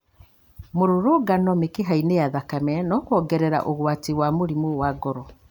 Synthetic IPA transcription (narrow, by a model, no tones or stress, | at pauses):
moɾoɾoːɡanɔmekeɦainejaðakamɛnɔkwɔɡɛɾɛɾa̰ʔoɣwatiwamoɾimowaɡɔɾɔ